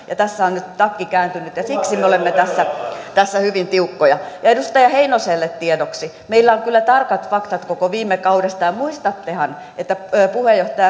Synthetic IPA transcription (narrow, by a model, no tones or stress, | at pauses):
jɑt̪æsːæonnyt̪t̪ɑkːikæːnt̪ynyt̪jɑsiksimeolemːet̪æsːæt̪æsːæhyʋint̪iukːojɑjɑedust̪ɑjɑheinoselːet̪t̪iedoksi | meilːæoŋkylːæt̪ɑrkɑt̪fɑkt̪ɑt̪kokoʋiːmːekɑudest̪ɑjɑmuist̪ɑt̪ːehɑn | et̪ːæpuhejjoht̪ɑjɑ